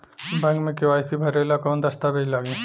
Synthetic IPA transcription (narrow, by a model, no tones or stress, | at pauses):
bɛ̃ŋkmẽkɪʋaːjsibʱɐɾelakɔːnd̪ɐst̪abʱeilaːɡĩ